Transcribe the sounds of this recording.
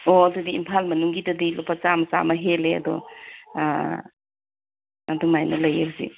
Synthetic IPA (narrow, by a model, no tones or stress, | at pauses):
oɐdudiimpʰalmɐnuŋɡidɐdilopʰat͡ʃamɐsa̰mɐɦeleɐ̰dɔ̰ | ɐdumajnɐlɐjakzḭ